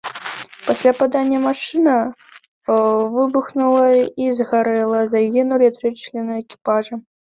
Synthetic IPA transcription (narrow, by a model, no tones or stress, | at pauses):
pasʲlʲapad̪anʲːɐmaʂɨnɐ | vɨbuxnulˠɐizɣaɾɛlˠɐzajʲinulʲɛt̪ɾɨt͡ʃlʲɛnuɛkʲi̥paʐɨ